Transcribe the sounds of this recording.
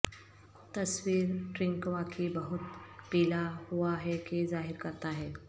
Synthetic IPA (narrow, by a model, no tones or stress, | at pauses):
t̪ɐswiːɾʈɾɪ̃ŋkwakʰibɐɦʊt̪̚piːlaɦuaɦɛkezaːɦɪɾkɐɾt̪aɦɛː